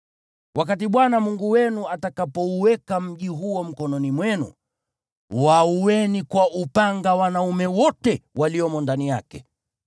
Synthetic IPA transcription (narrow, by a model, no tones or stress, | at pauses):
wʔak̬atiɓwanamuŋɡuwɛnuatakapɔuwɛkam̩ʄiɦuɔm̩kɔnɔnimwɛnṵ | wauwɛnikwaʔupaŋɡawanaumɛwɔtɛwaliɔmɔndanija̰kɛ̰